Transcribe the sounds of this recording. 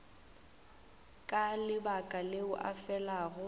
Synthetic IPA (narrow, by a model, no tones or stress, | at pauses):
kʼalɪbakʼaleʊʔa̰fɛlaːɣʊ